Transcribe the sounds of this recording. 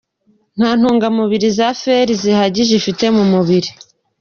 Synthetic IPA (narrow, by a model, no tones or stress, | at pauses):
n̥haːn̥huːŋɡamuβiɾizafeɾizihaɟiʒifite̞mumuβiɾi